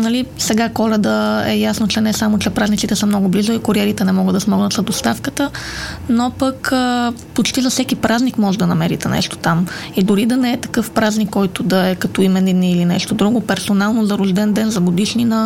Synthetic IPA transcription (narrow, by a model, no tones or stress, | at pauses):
nɐlisɛɡakɔɾɛd̪əɛ̰jasnot͡ʃɛnɛsamot͡ʃɛpɾaznit̪it̪ɛsəmnɔɡʊblizoikʊɾiɛɾit̪ɛnɛmɔɡəd̪ɐsmɔɡnət̪sɐd̪ost̪afkət̪ənopəkə | pot͡ʃt̪izɐfsɛkipɾaznikmɔʒɛd̪ɐnɐmɛɾḭt̪ɛnɛ̰ʃt̪o̥t̪amid̪ʊɾid̪ɐnɛɛt̪ɐ̥kɤfpɾaznikːɔjt̪od̪ɐɛkɐt̪ɔimɛnɛd̪niːlinɛʃt̪od̪ɾuɡʊpɛɾsonalˠnozɐɾoʒd̪ɛnd̪ɛnzɐɡod̪iʃninɐ